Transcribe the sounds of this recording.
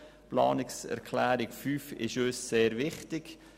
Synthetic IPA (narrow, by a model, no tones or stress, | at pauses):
plɑ̰ːnɪksɛ̰ɾkʰlæːɾɪkfyːfɪ̰ʃøːsːeːɾvɪχtɪɡ̥